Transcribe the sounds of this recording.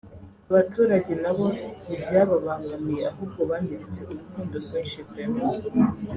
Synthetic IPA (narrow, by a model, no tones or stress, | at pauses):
aβatuːɾaɟe̞naβo̞nibɟaːβaβaːŋɡamije̞aɦuːb̚ɡo̞βaːndiɾit͡se̞ʔuɾukuːndoɾɡeːnʃipɾemo